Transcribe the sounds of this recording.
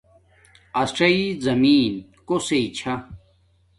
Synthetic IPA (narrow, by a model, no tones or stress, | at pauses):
ɐsʈ͡ʂɐizɐmiːnkoseit͡ɕʰɐ